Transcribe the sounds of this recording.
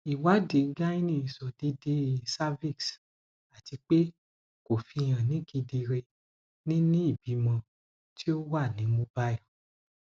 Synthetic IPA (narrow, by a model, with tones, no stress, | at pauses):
i˨wa˨˦de˨˦ɡa˦i˦nĩ˦i˨sɔ˨di˧˦de˧˦˨sa˦vi˦˨ks | a˨ti˧k͡pe˦ | ko˨fi˧j̃ã˨nĩ˨˦ɡi˧di˧ɾe˧ | nĩ˦nĩ˦i˦˨bi˨˦mã˧ | tʰi˦o˦wa˦˨nĩ˨˦mo˧˦ba˦j